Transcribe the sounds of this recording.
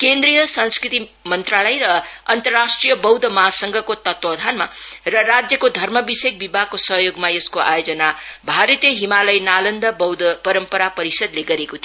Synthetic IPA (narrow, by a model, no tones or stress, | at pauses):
kend̪ɾijʌsanskɾit̪imʌnt̪ralʌjɾʌʌnt̪ʌrasʈrijʌbʌwd̪ʱʌmʌɦasʌŋɡʱʌkot̪ʌt̪wʌd̪ʱanma̰rʌɾad͡zjʌkod̪ʱʌrmʌbisek̚bibʱaɡkosʌɦjoɡmaeskoʔa̰jod͡zʌnabʱaɾʌt̪jʌɦimalʌjnalʌnd̪ʌbʌwd̪ʱʌpʌɾʌmpʌɾapʌɾisʌd̪leɡʌɾekot̪ʰi